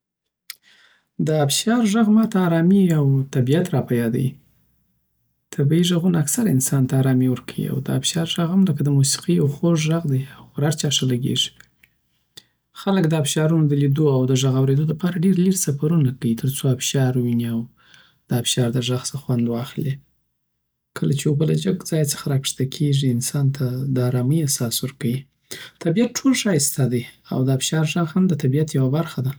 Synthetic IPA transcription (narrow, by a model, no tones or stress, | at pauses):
d̪əabʃɑɾʒaɣmɑt̪aːɾɑmiawt̪abijat̪ɾɑpajɑd̪aji | t̪ʰabiiʒaɣunaːksaɾaɪ̰nsɑnt̪aːɾɑmiwəɾkʰawḭa̰wd̪əabʃɑɾʒaɣhamləkad̪əmusi̥qiawxoʒʒaɣd̪ajawxɾaɾt͡ʃɑʂalaɡḛʐi̥ | xaləkd̪əabʃɑɾunod̪əlid̪oawd̪əʒaɣawɾed̪od̪əpɑɾaɖeɾliɾsafaɾunakawit̪ʰəɾt͡soafʃɑɾwiniaw | d̪̥əafʃɑɾd̪əʐaɣsəxwand̪wɑxle | kʰəlat͡ʃejəbəlad͡ʒaɡd͡zɑjt͡sə̥xaɾɑkʂt̪akʰeʐiɪnsɑnt̪ʰad̪ɑɾɑmijasɑsuɾkawi | t̪ʰabijat̪̚ʈʰolʃɑjst̪ad̪əja̰wd̪əafʃɑɾʒaɣhamd̪ət̪abijat̪jawabaɾxad̪a